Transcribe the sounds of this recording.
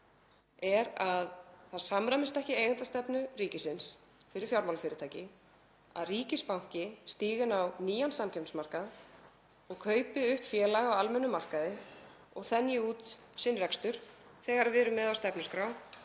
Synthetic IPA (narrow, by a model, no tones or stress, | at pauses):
ɛɾaðθaðsamɾamɪst̪ɛhcɪeːjɣant̪ast̪ɛpnʏriːcɪsɪns | fɪɾɪɾ̥fjawɾmawlfɪːɾɪ̥t̪ʰaːjcɪ | a̰ðriːcɪspawŋ̥cɪst̪iːɣɪnawniːjansamcʰɛpnsmar̥kað | ɔɣkʰœːɥpɪʏhpfjɛːlaɣaawalmɛnːʏmar̥kaðɪ | ɔɣθɛnjɪuːt̪sɪnɾɛkst̪ʏɾ̥θɛɣaɾvɪːɾʏmɛðawst̪ɛpnʏskɾaw